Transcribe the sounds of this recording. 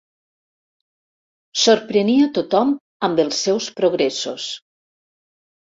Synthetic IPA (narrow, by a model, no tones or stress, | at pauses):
soɾpɾeniat̪ot̪ɔm | ambəlˠsːɛwspɾoɣɾɛso̰s